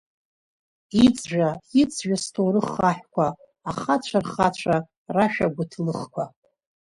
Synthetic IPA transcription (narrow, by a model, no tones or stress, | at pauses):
it͡sʼʒᶣaɪt͡sʰʼʒᶣastʰowɾɨχaħᶣkʷʰaː | χat͡ɕʷʰarχat͡ɕʷʰa | raʃᶣaɡʷʊtʰlɨχkʷʰa